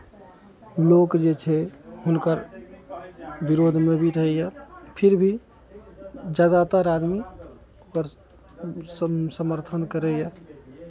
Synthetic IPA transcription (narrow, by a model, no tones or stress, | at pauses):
lokd͡ʒet͡ʃʰɛɦunkəɾ | biɾod̪ʱmebʱiɾəɦɛjapʰiɾbʱi | d͡ʒjad̪at̪əɾad̪mi | okəɾ | ssəməɾt̪ʰənkəɾɛja